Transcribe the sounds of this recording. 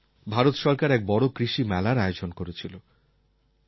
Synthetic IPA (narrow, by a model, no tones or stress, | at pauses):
bʱaɾot̪ʃɔɾkaɾɛk̚bɔɽokɾiʃimɛlaɾaeod͡ʑonkoɾet͡ɕʰilo